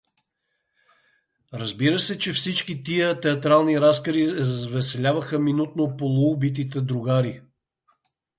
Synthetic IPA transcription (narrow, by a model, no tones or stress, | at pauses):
ɾɐzbiɾəsɛt͡ʃɛfsit͡ʃkit̪iət̪ɛɐt̪ɾalˠniɾaskəɾizzvɛsɛlʲavɐxəminut̪nopolˠuːbit̪̬it̪ɛd̪ɾuɡaɾi